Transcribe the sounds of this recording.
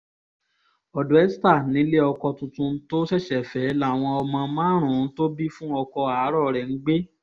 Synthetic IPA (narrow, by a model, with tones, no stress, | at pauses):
ɔ˨du˨˦ɛ˦sta˦˨nĩ˨˦le˦ɔ˧kɔ˧tũ˧tũ˧˦to˦ʃɛ˦˨ʃɛ˨fɛ˨˦la˦˨w̃ɔ̃˧ɔ˧mã˧mãː˦ɾ̃ũ˨˦to˦bi˦fũ˦ɔ˧kɔ˧a˨˦ɾɔ˦˨ɾɛ˨n̩˦ɡ͡be˦